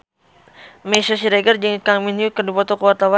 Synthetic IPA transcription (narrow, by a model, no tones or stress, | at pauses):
mɛsas̬iɾeɡərd͡ʒəŋkaŋminjukədupɔt̪ɔkəwart̪awa